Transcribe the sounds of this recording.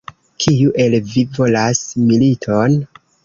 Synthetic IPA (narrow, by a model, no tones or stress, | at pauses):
kʰijuʔe̞lvivo̞lasmilitʰon